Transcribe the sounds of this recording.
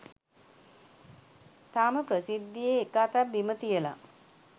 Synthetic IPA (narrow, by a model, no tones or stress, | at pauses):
t̪aːməprəsid̪ːijeːkaːt̪abːimət̪ijəla̰